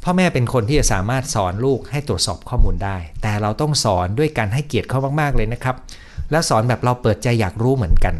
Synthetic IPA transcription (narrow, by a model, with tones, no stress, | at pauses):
pʰɔː˥˩mɛː˥˩pe˧nkʰo˧nt̪ʰiː˥˩t͡ɕa˨saː˩˦maː˥˩t̪̚sɔː˩˦nluː˥˩k̚ha˥˩jt̪ɾu˨˩ət̪̚sɔː˨˩p̚kʰɔː˥˩muː˧ndaː˥˩jt̪ɛː˨˩ɾa˧wt̪ɔ˥˩ŋsɔː˩˦ndu˥˩əjkaː˧nɦa˥˩jki˨˩ət̪̚kʰa˥˩maː˥˩k̚maː˥˩k̚lɤː˧jna˦˥kʰɾa˦˥p̚ | lɛː˦˥wsɔː˩˦nbɛː˨˩p̚ɾa˧wpɤː˨˩t̪̚t͡ɕa˧jːaː˨˩k̚ɾuː˦˥mɯ˩˦ənka˧n